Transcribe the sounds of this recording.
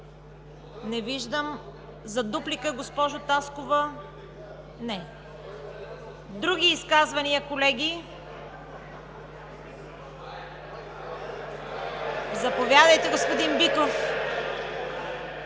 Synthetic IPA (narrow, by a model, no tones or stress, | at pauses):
nɛviʒd̪əm | zɐd̪uplikəɡospɔʒʊt̪askovə | nɛ | d̪ɾuɡ̟ʲiːskazvɐniɐkolɛɡʲi | zɐpovʲjad̪əjt̪ɛɡospʊd̪imbikɾof